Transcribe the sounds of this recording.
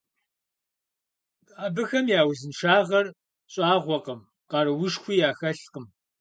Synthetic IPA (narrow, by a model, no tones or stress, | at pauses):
tʼaːbɨxɐmjaːwzɨnʂaːʁɐr | ɕʼaːʁʷɔqəm | qɑɾɨwʊʂxʷiːjaːxɐɬqəm